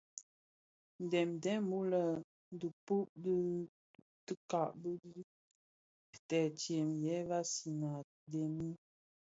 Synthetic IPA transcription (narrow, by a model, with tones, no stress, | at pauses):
n˨dɛ˨mdɛ˨˦mu˦lə˨ | n˦du˨pu˦ʔbə˦ | tə˦ka˨ʔbə˦di˦˨ | tɛ˨t͡ʃe˨mjɛ˨˦ba˦si˨na˨ | de˨mi˦